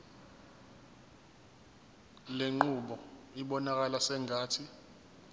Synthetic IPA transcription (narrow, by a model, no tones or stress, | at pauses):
leŋ͡ǃuɓɔiɓɔnak̬ʼalasɛŋʱaːtʰi